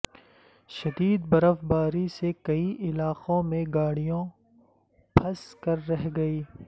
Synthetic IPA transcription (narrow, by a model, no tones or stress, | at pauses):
ʃɐd̪iːd̪̚bɐɾəfbaːɾisekɐiʔɪlaːqõmẽɡaːɽijõ | pʰɐskɐɾːɛɦɡɐiː